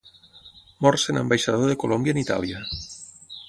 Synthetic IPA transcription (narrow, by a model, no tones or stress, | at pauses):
mɔɾsenã̰mbajʃaðoðekolombjanit̪a̰lja